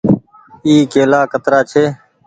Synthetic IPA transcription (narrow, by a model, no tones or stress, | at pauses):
iːkeːlaːkət̪ɾaːt͡ʃʰeː